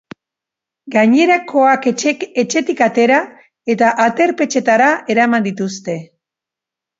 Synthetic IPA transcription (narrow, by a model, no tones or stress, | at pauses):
ɡaɲe̞ɾako̞akeee̞t͡ʃe̞t̪ikat̪e̞ɾa | e̞t̪aʔat̪e̞ɾpe̞t͡ʃe̞t̪aɾae̞ɾamand̪it̪ust̪e̞